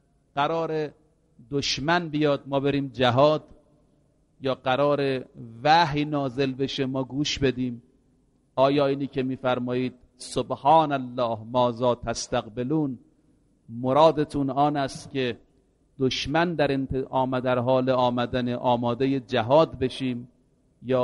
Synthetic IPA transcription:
ɡ̥æɾɒːɾe | d̪oʃmænbijɒːd̪̚mɒːbe̞ɾiːmd͡ʒæɦɒːd̪ | jɒːɡæɾɒːɾevæhjnɒːzelbe̞ʃemɒːɡuːʃbe̞d̪iːm | ɒːjɒːiːniːkʰemiːfæɾmɒːjiːd̪̥̚ | sobhɑːnælːɒːhmɒːzɒːt̪ʰæst̪æɡbeluːn | moɾɒːd̪et̪ʰunɒːnæst̪cʲʰe | d̪̥oʃmænd̪æɾent̪ʔːmæd̪æɾɦɒːleɒːmæd̪æneʔɒːmɒːd̪ejed͡ʒæɦɒːd̪be̞ʃiːm | jɒː

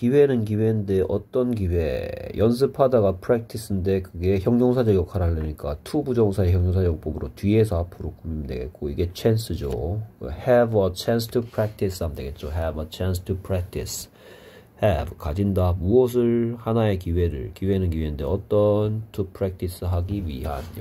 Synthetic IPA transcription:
kiwe̞nɯnk̬iwe̞nde̞ʔʌt͈ʌnkiwe̞jʔʌns̬ʰɯpʰadaɡapʰɯɾek̚tʰis͈ʰɯnde̞kɯɡe̞çjʌŋɲoŋsʰad͡ʑʌɡjʌkʰaɾaɭːeɲik͈atʰubud͡ʑʌŋsʰae̞çjʌŋɲoŋsʰad͡ʑjʌk̚p͈ʌbɯɾotɥie̞sʰʌapʰɯɾokumimdwe̞̰ɡe̞̰t̚k͈oiɡe̞t͡ɕʰens͈ʰɯd͡ʑo̰kɯ̰hɛbʌt͡ɕʰans̬tʰupʰɾak̚tʰisʰamde̞ɡe̞t̚t͡ɕ͈oɦɛbʌt͡ɕʰans̬tʰupʰɾak̚tʰis | hebkad͡ʑindamuʌs̬ʰɯɭhanae̞kiwe̞ɾɯ̰ɭkiwe̞nɯnkiwe̞nɯnde̞ʌt͈ʌntʰupʰɾek̚tʰis͈ʰɯɦaɡiɥḭɦano

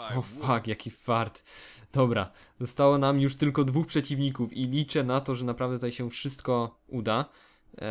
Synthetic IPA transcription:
ɔfakjakʲifaɾt̪d̪̥ɔbɾa̰ | zɔst̪awɔnamjuʂt̪ɘlkɔd̪vuxpʂɛt͡ɕivɲikufilʲit͡ʂɛnat̪ɔʐɛnapɾavd̪ɛt̪ajɕɛfʂɘst̪kɔ | ud̪a

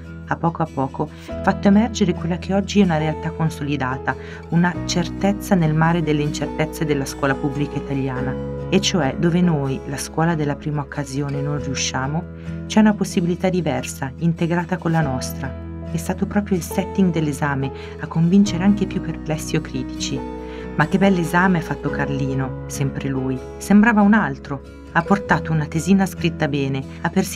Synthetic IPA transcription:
apːɔːkoapːɔːko | fat̪ːoemɛrd͡ʒeɾekwelːakʰeɔd͡ʒːiɛunaɾealt̪akːonsolid̪aːt̪a | unat͡ʃert̪et̪sːanelmaːɾed̪elːeint͡ʃert̪et̪sːed̪elːaskwɔːlapubːlikait̪aʎːjaːnaet͡ʃːoɛd̪oːvenojlaskwɔːlad̪elːapɾiːmaokʰːazjoːnenonriuʃːaːmo | t͡ʃɛunaposːibilit̪ad̪ːivɛrsaint̪eɡɾaːt̪akonlanɔst̪ɾa | ɛst̪aːt̪opɾɔːpɾjoilsɛt̪ːiŋɡd̪elːezaːme | akːoɱvint͡ʃeɾeaŋk̟epjupːerplɛsːiokːɾiːt̪it͡ʃi | mak̟ːebɛlːezaːmeafːat̪ːokarliːnosɛmpɾeluːj | sembɾaːvaunalt̪ɾo | apːort̪aːt̪ounat̪eziːnaskɾit̪ːabɛːne | apːers

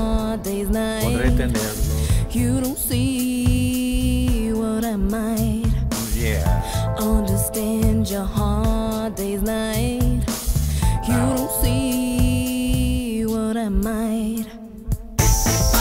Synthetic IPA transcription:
deɪznaɪ̃ | jɨɾõʊ̃ntsi | wʌɾaɪmaɪt̚jæ̰ʔʌ̃ndə˞stæ̃nd͡ʒə˞hɑɹdeɪznaɪt̚ | jɨɾõʊ̃ntsi | wʌɾaɪmaɪt̚

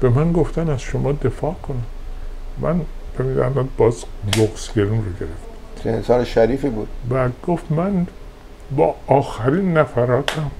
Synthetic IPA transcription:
b̥e̞mænɡoft̪ænæzʃomɒːd̪e̞fɒːkʰonæmː | ʔæ̰npemid̪æ̰ɾnɒd̪̚bɒːzɡoɡsɡeɾunroɟe̞ɾeft̪æ̥t̪ʰɾensɒːneʃæɾiːfibuːd̪̥bæɡ̥oft̪mæn | bɒ̰ːɒːxæɾinːæfæɾɒːt̪ʰæm

